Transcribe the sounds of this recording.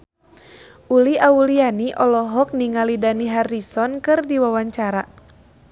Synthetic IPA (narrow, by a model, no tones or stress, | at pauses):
ʔuliʔaulianiʔɔlɔɦɔk̚niŋalidaniɦarisɔnkɨrdiwawaɲt͡ʃaɾa